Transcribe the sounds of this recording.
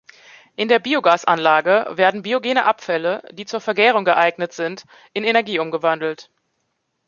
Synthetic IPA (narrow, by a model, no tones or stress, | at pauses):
ʔɪndeːɐbiːoɡaːsʔa̰nlaːɡəveːɐdn̩biːoɡeːnəʔapfɛləd̥iːt͡suːɐfɛɐɡɛːʁ̞ʊŋɡəʔaɪɡnətz̥ɪnt | ʔɪnenɛɐɡiːʔʊmɡəvandl̩t